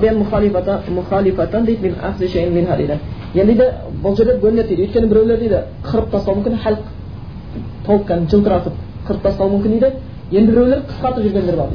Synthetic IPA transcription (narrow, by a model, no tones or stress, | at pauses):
bijɑnmʊχɑlifmʊχɑlifɑt̪ɑnd̪ejd̪menɑ̰qseʃejɪnmenhɑd̪ḛjd̪enjend̪ejd̪e | bʊlˠʒe̞ɾd̪eɡʲʰɵnlep̪t̪ejd̪ewojt̪kʲʰeɪbɪɾæwle̞ɾd̪ejd̪ɪ | qʰəɾəp̚t̪ʰɑst̪ɑlwˠmʏmkʲɪnχælq | t̪ʰolˠəp̚kʰʲænʒəlˠt̪əɾɑt̪əp̚ | qʰəɾəp̚t̪ʰɑst̪ɑwumɵmkʲɪned̪ɪ | jend̪ɪbɪɾæwleqʰə̥sqɑɾt̪əpʒʏɾɡʲene̞ɾbɑɾd̪